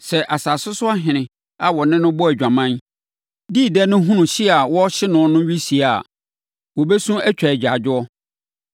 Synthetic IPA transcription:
sɛ˨ʔa˨saː˨sʊ˦sʊ˦a˦ɦɪ̃˨nɪ̃˨ | a˨wɔ˨nɪ̃˦nʊ̃˦bɔ˦æ˨d͡ʑᶣã˨mã˦n | di˦˨dɛ˦nʊ̃˦ɦũ˦nʊ̃˨ɕɪ˦a˨wɔ˦ɕɪ˦nʊ̃˨˦nʊ̃˦ɥi˦si˨a˨ | wɔ˨bɛ˦sũ˦æ˦t͡ɕᶣa˨d͡ʑᶣa˨d͡ʑɪ˦ɔ˦

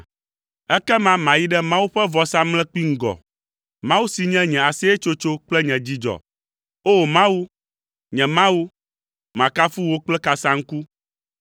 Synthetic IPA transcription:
ɛ˦kɛ˦mã˦mã˨ji˦ɖɛ˦mã˦wu˦ɸɛ˦vɔ˨sa˦mlɛ̃˦k͡pi˦ŋ̩˦ɡɔ̰˨ | mã˦wu˦si˨ɲɛ̃˦ɲɛ̃˨a˨si˦ɛ˦t͡ʃo˦t͡ʃo˦k͡plɛ˦ɲɛ̃˨d͡ʑi˦d͡ʒɔ̰˨ | o˦˨mã˦wu˦ | ɲɛ̃˨mã˦wu˦ | mã˨ka˦fu˦wo˦k͡plɛ˦ka˨sã˦ŋ̩˦ku˦

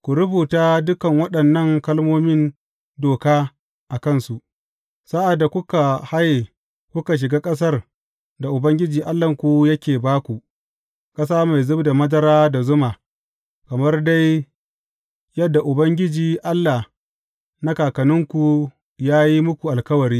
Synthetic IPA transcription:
kʷu˨ɾʊ˦buː˨taː˦dʊ˦kɐ˨ŋwɐ˦ɗɐ˨nːɐ˦˨ŋkɐ˦lmoː˦mɪ˦n | doː˨kaː˦ | ʔa˨kɐ˦nsu˨ʔ | sa˦ʔa˨dːa˨kʷʊ˦ka˨ha˦je˨ | kʷʊ˦ka˨ʃ̬ɪ˨ɡaː˦kʼɐ˦s̬ɐ˦r | da˨ʔʊ˨bɐ˦ŋɡʲɪ˦d͡ʒiː˨ʔa˦lːɐ˨ŋkʷu˨jɐ˦kʲeː˨baː˦kʷu˨ | kʼɐ˦s̬aː˦ma˨jzʊ˦bda˨mɐ˦zɐ˦ɾaː˦da˨zʊ˦maː˨ | kɐ˨mɐ˦rda˦j | jɐ˦dːa˨ʔʊ˨bɐ˦ŋɡʲɪ˦d͡ʒiː˨ʔa˦lːa˨ | na˦kaː˨kɐ˨nɪ˦ŋkʷu˨ | jaː˦ji˦mʊ˦kʷu˨ʔa˨lkɐ˦wɐ˨ɾiː˦

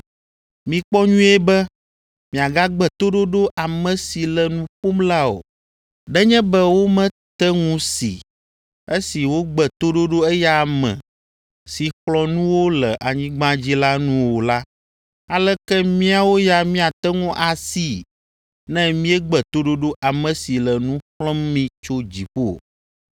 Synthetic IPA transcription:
mĩ˨k͡pɔ˦ɲũ˦ɛ˦bɛ˦ | mĩ˨a˨ɡa˦ɡ͡bɛ˨t̪o˦ɖo˦ɖo˦ʔa˨mɛ̃˦si˨lɛ˨nũ˦ɸo˦mla˦o̰˨ | ɖɛ˦ɲɛ̃˦bɛ˦wo˦mɛ̃˦ | t̪ɛ˦ŋũ˦sḭ˨ | e˦si˨wo˦ɡ͡bɛ˨t̪o˦ɖo˦ɖo˦ɛ˦ja˦mɛ̰̃˨ | si˨ɸlɔ̃˨nũ˦wo˦lɛ˨ʔa˨ɲĩ˦ɡ͡bã˦d͡ʑi˦la˦nũ˦wo˨la˦ | a˨lɛ˦kɛ˦mĩ˦a˨wo˦ja˦mĩ˦a˨t̪ɛ˦ŋũ˦ʔa˨si˦˨ | nɛ̃˦mĩ˦ɛ˦ɡ͡bɛ˨t̪o˦ɖo˦ɖo˦ʔa˨mɛ̃˨si˨lɛ˨nũ˦ɸlɔ˦mmĩ˦t͡ʃo˦d͡ʑi˨ɸo˦˨

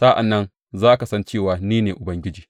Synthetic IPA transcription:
sa˦ʔa̰˨nːɐ˦n | zaː˦ʔa˦ka˨sɐ˦nt͡ʃeː˦˨waː˨niː˦neː˨ʔʊ˨bɐ˦ŋɡʲɪ˦d͡ʒiː˨

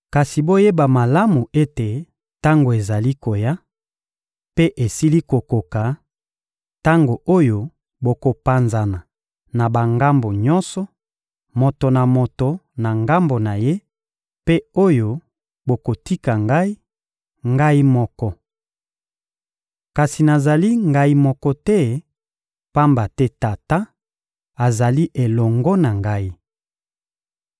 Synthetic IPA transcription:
ka˨si˨bo˦je˦ba˨ma˨la˦mu˨e˦te˨ | ta˦ŋɡo˨e˨za˨li˦ko˨ja˦ | pe˦ʔe˨si˦li˦ko˨ko˨ka˨ | ta˦ŋɡo˨ʔo˦jo˦ | bo˨ko˨pa˨nza˨na˨ | na˨ba˨ŋɡa˦mbo˨ɲɔ˦nsɔ˨ | mo˨to˨na˨mo˨to˨na˨ŋɡa˦mbo˨na˨je˦ | pe˦o˦jo˦ | bo˨ko˨ti˦ka˨ŋɡa˦i˦ | ŋɡa˦i˦mɔ˦kɔ˦ | ka˨si˨na˨za˨li˦ŋɡa˦i˦mɔ˦kɔ˦tɛ˦ | pa˦mba˨tɛ˦ta˨ta˦ | a˨za˨li˦ʔe˨lɔ˨ŋɡɔ˦na˨ŋɡa˦i˦

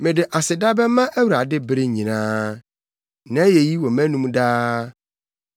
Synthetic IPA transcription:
mɪ̃˨dɪ˨ʔa˨sɪ˨da˦bɛ˦mã˦ʔæ˦wu˨ɾa˨dɪ˦bɾɪ˦ɲĩ˨nãː˦ | nã˨˦je˨ji˦wɔ˨mæ̃˦nũ˦m˦daː˦

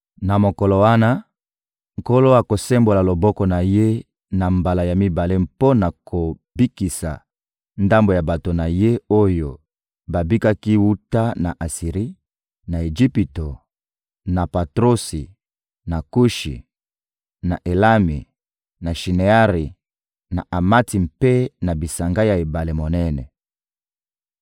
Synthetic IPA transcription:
na˨mo˨kɔ˨lo˨wa˦na˦ | ŋ̩˨ko˦lo˦a˨ko˨sɛ˦mbo˨la˨lo˨bɔ˦kɔ˦na˨je˦ | na˨mba˨la˨ja˨mi˦ba˨le˦mpo˦na˨kʰo˨ | bi˦ki˨sa̰˨ | nda˦mbo˨ja˨ba˨to˨na˨je˦o˦jo˨ | ba˨bi˦ka˦ki˦wu˦ta˦na˨ʔa˨si˨ʁi˦ | na˨e˨ʒi˦pi˨to˨ | na˨pa˨tʁo˦si˨ | na˨ku˦ʃḭ˨ | na˨ʔe˨la˦mi˨ | na˨ʃi˨ne˨a˦ʁi˨ | na̰˨ʔa˨ma˦ti˨m̩pe˦na˨bi˨sa˨ŋɡa˦ja˨e˨ba˨le˨mo˨nɛ˦nɛ˨

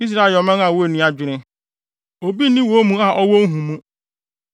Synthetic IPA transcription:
i˦s̬ɾa˦ɪ˨ɔ˨mɛ̃˦a˨wo˦e˨nĩ˨˦˨a˨d͡ʑᶣɪ˨ɾɪ̃˦ | o˨bi˦nĩ˦wo˨˦o˦mũ˦a˨ʔɔ˦wɔ˦ŋ̩˦ɦũ˨mũ˦

